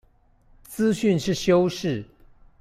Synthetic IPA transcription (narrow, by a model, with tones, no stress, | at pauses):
t͡sɹ̩˦ɕy˥˨nʂɻ̩˥˩ɕjo˥ʊʂɻ̩˥˩